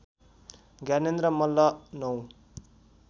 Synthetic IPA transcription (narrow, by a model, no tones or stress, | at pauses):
ɡanend̪ɾʌmʌlːʌnʌw